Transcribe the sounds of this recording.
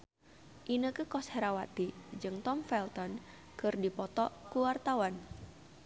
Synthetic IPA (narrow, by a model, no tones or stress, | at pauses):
ʔinəkəkɔsheɾawat̪id͡ʒɨŋt̪ɔmfɛlt̪ɔn | kɨrdipɔt̪ɔkuwart̪awan